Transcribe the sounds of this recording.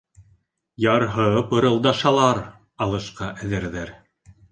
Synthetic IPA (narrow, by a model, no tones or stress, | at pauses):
jɑɾɦɤpɤ̆ɾɤ̆lˠd̪ɑʃɑlˠɑɾ | ɑlˠɤ̆ʃqɑʔæðɘ̆ɾðæɾ